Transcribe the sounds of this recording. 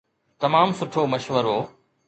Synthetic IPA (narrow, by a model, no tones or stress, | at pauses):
t̪ɐmaːmsʊʈʰoːməʃʋəɾoː